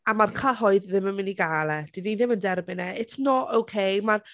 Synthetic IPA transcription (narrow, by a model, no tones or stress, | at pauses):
amarkʰaɦɔɨððɪmənmɪniɡalˠɛd̥iniðɪməndɛrbɪnɛʔɪtʰnɔowkʰejmar